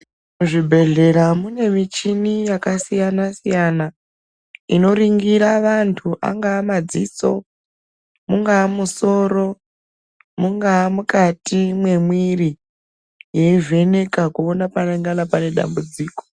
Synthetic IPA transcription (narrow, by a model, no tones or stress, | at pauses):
muʐibʱe̞ɮe̞ɾamune̞mit͡ʃinijakasijanasijana | ino̞ɾiŋɡiɾaʋantʰuʔa̰ŋɡaːmad͡ziːso̞ | muŋɡaːmuso̞ɾo̞ | muŋɡaːmukatimwe̞mwiri | je̞ive̞ne̞kakuonapaneŋɡanapane̞ɗa̰mbud͡ziːko̥